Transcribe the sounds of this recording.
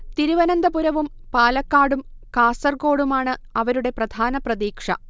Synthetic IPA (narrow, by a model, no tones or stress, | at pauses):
t̪iɾuʋɐnɐnd̪ɐpuɾɐʋum | paːlɐkːaːɽumkaːsɐrɡo̞ːɽumaːɳɨɐʋɐɾuɽe̞prɐd̪ʱaːnɐprɐðiːkʂɐ̰